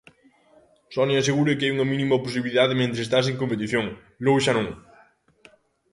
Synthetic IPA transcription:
sɔnias̬eɣuɾɪkɪajuŋɐminĩmɐpos̬iβiliðaðɪmẽnt̪ɾeːst̪as̬eŋkompet̪iθjoŋ | lowʃanõŋ

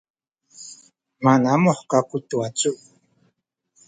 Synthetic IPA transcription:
manamoχkakut̪uwat͡suʔ

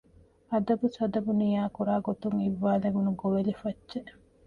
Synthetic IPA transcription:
ɐd̪ɐbusɐd̪ɐbunijaːkuɾaːɡot̪uŋiʋːaːlɐɡunuɡoʋelifɐtːʃeʔ

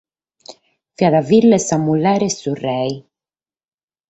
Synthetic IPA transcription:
fjaðavilːesamːulɛɾesurɛj

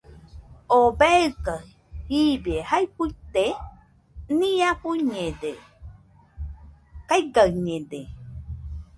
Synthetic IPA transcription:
obeɨka | hibehajpuit̪e | nĩãkuɲẽde | kajɡaɰɲẽd̪e

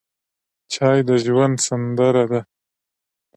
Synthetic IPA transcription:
t͡ʃɑjd̪əʒwand̪sand̪əɾad̪a

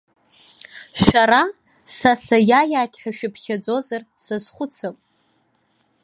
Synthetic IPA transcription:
ʃᶣaɾa | sasajajaːtʲʰʼħᶣaʃᶣapʰχʲad͡zo̞zarsazχʷʊt͡sʰapʼ

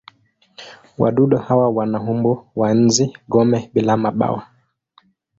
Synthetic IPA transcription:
wa̰ɗuɗɔhawawanaɦumbɔwan̩ziɡɔmɛɓilamaɓa̰wa

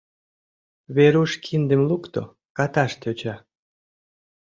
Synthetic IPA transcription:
βeɾuʃkʰind̪ə̆mlukt̪o̰ | kɑt̪ɑʃt̪øt͡ɕɑ

